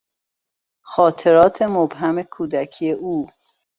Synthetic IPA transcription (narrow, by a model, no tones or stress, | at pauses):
xɒːt̪ʰe̞ɾɒːt̪ʰe̞mobɦæme̞kʰuːd̪æcʰije̞ʔuː